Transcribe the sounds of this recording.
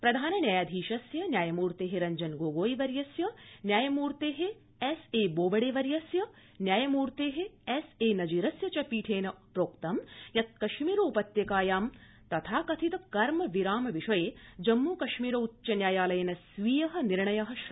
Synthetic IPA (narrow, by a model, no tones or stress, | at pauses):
pɾɐd̪ʱaːnɐnjaːjaːd̪ʱiːʃɐsjɐnjaːjɐmuːɾt̪eːɦeɾɐɲd͡ʒɐnɡoːɡoːjiʋɐɾjɐsjɐnjaːjɐmuːɾt̪eːɦe | eseːboːbɐɽeːʋɐɾjɐsjɐ | njaːjɐmuːɾt̪eːɦeeseːnɐd͡ʒiːɾɐsjɐt͡ʃɐpiːʈʰeːnɐpɾoːkt̪ɐmjɐt̪̚kɐʃmiːɾɐupɐt̪jɐkaːjaːm | t̪ɐt̪ʰaːkɐt̪ʰit̪ɐkɐɾmɐʋiɾaːmɐʋiʃɐjeːd͡ʒɐmːuːkɐʃmiːɾɐutːt͡ʃɐnjaːjaːlɐjɐnɐsʋiːjɐɦɐ̆niɾɳɐjɐɦɐʃ